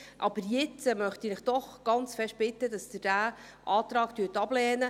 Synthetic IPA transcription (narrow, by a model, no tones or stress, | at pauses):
ʔɑb̥əɾjɪt͡smœχt̪inɪχd̪̥ɔχɡ̥ɑnt͡sfɛʃt̚b̥ɪt̪ːədɑsd̥̪ɪd̥æː | ʔɑːt̪ɾɑːkt̪yːtɑblɛːnə